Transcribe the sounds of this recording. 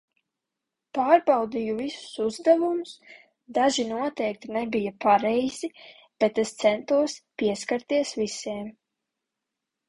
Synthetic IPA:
paːɾbawd̪ijuvisu̥suzd̪ɛvumus | d̪aʒinuɔt̪ɛjk̚t̪inɛbijapaɾɛjz̥i | b̥et̪ɛst̪sɛnt̪uɔspʲiɛskaɾt̪iɛsvisɛːm

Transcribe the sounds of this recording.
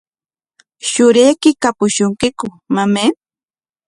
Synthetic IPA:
ʃʊɾejkɪkapʊʃʊŋkɪkʊ | mame

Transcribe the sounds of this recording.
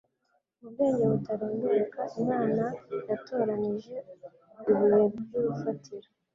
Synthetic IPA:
ub̚ɡe̞ːɲɟeβutaɾoːnduɾukaʔimŋaːnajato̞ːɾaniʒe̞ | uβujeβbɡuɾufatʰiɾo

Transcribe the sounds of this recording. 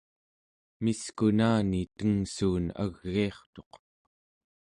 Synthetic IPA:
miskunaːnit̪əŋsuːna̰ɣːiɑχt̪o̞q

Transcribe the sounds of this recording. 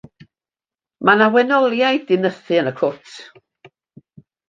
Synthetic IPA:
manawɛnɔlˠjajdɪnəθɨənəkʰʊtʰ

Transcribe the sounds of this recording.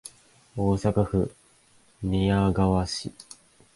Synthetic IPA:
o̞ːsakaɸɯ̟̰ | mʲijaɡaβaɕḭ

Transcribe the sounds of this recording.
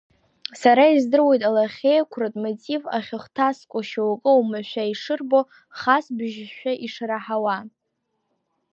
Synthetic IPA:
saɾaizdɨrwe̞jtʼalaχʲejkʷʰrɨtʼmotʼiva̰χʲɪχtʰaskʷʼʊʃawakʼɨumɨʃʷᶣaiʂɨrbo̞ | χasbʒʃᶣaʔiʂraħawa

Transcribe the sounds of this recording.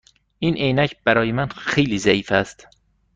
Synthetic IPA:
ʔiːnʔejnæcʰb̥æɾɒːjemænxejliːzæiːfæst̪

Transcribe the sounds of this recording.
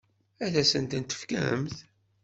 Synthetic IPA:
æðæsənt̪ənt̪ə̥fkæɦə̰mθ

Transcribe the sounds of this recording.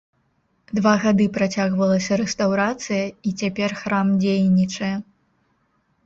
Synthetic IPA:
d̪vaɣad̪ɨpɾat͡sʲaɣvɐlˠɐsʲɐɾɛst̪awɾat̪sɨjɐit͡sʲapʲɛrxɾamd͡zʲejnʲit͡ʂɐjɛ

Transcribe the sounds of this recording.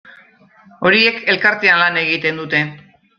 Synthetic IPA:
o̞ɾie̞ke̞lkaɾt̪eanlane̞ɣit̪e̞nd̪ut̪e̞

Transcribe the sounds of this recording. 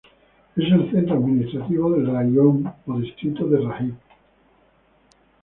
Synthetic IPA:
eselθent̪ɾoaðminist̪ɾat̪iβoðelrajompoðist̪ɾit̪oðerahim

